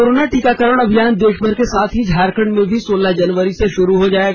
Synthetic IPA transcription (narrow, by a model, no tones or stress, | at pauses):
oɾoːnaʈiːkakəɾəɽ̃ɐbʱijaːnd̪eːʃbʱəɾkesaːt̪ʰɦid͡ʒʱaːɾkəɳmẽbʱisoːlad͡ʒɐnʋəɾiseʃʊɾuɦod͡ʒaːeɡ